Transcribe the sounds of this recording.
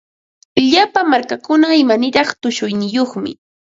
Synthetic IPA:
ʎapamaɾkakʊnaɪmanɪɾɑχt̪ʊʃʊjnɪjoχmɪ̰

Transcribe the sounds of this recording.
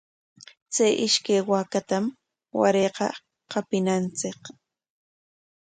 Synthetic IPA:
t͡sajʔɪʃkajwakat̪am | wa̰ɾejqɑ̰ | qɑpɪnant͡sɪk

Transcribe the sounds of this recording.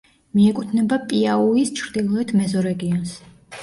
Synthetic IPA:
miɛkʼut̪ʰnɛbapʼiauist͡ʃʰɾd̪̥ilˠɔɛt̪ʰmɛzɔɾɛɡiɔns

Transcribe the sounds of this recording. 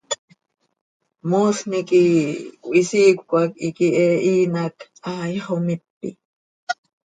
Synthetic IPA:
moːsnikʼikʷʼʔisikʷkʷʼakikiɛʔiːnak | ajhomip̪ːḭ

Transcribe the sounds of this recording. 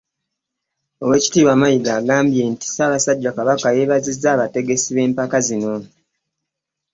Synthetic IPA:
o̞we̞ːci̥tiːβamajiɡaːɡaːmbje̞nti̥saːβasaɟːakaβakaje̞ːβazizːaːβate̞ɡe̞siβe̞ːmpakazino̞

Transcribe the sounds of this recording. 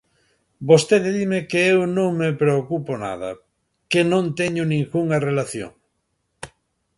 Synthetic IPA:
bost̪eðeðimekeewnõŋmepɾeokupona̰ð̞ɐ̰ | kenõnt̪eɲʊnĩŋkuŋarelaθjo̰ŋ

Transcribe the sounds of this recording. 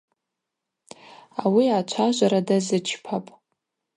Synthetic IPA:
awiat͡ʃʷʰaʒʷaɾadazɨt͡ʃʰpʰapʼ

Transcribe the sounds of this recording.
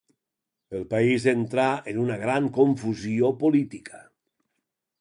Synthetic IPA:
elˠpaizent̪ɾaenunaɣɾaŋkoɱfuziopolit̪ikḁ

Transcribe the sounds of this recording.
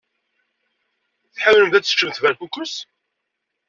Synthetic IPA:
θħawləmðæt͡sːə̥t͡ʃːəmθvæɾkukʷːəs

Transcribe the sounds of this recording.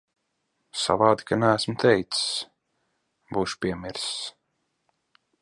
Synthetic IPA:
sa̰vaːd̪ikanææsmt̪ʰɛjt̪ss | buːʃu̥piɛmiɾs

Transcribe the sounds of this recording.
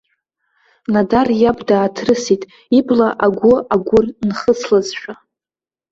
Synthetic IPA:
nadarjabdaːtʰrɨsitʼ | iblaʔaɡʷʊaɡʷʊrnχəslazʃʷᶣa

